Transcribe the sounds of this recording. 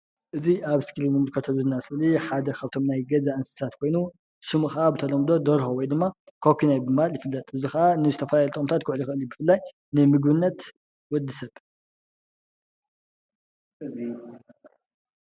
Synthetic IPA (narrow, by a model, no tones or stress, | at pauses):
ʔɨziʔaβskʰilnɨmɨlkʰɐt̪ʰɐzɨnːasɨliħad̪ɐkʰaβɨt̪ʰo̞mnajɡɐzaʔɨnsɨ̥sat̪kʰo̞jnu | ʃɨmuxaʔabɨt̪ʰɐlɐmd̪o̞d̪ɐɾhowɔjd̪ɨmːakʰokʰinajbɨmaljɪfɨlːɐt̪ʼɨzixɐʔanɨzɨt̪ʰɐfɐlajlt̪ʼkʼmt̪ʰat̪̚kʰʊʕlixɨʔɨlibɨfɨlːaj | nɨmɨɡbɨnːɐt̪ | wɔd̪ːisɐβ | ɨz